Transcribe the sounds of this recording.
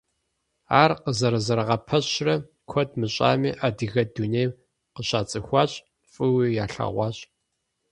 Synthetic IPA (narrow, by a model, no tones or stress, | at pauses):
aːrqəzɐɾɐzɐɾɐʁɐpʰɐɕrɐ | kʷʰɔdmɨɕʼa̰ːmiːʔaːdɨɣɐdunej | qəɕʼaːt͡sʼɨxʷɑːɕʼ | fʼɨwijaːɬa̰ʁʷɑːɕʼ